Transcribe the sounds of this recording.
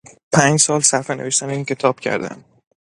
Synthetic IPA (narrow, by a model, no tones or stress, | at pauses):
pʰæːɲd͡ʒsɒːlsæɾfeneveʃt̪æneiːncʰe̞t̪ʰɒːb̥cʰæ̰ɾd̪æ̰m